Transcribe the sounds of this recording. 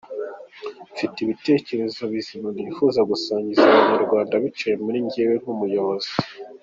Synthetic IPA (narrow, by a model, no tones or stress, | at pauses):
fitiβite̞ːce̞ɾe̞zoβizimanifuzaɡusaːɲɟizaβaɲaɾɡwaːndaβit͡ʃejemuɾiɲɟewen̥umujo̞βo̞zi